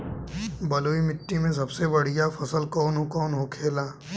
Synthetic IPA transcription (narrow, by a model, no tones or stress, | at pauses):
bɐloːimɪʈːimẽs̬ɐbsebɐɽ̤ijafʰɐsəlkɔːnɦokɔːnɦokʰeːlaː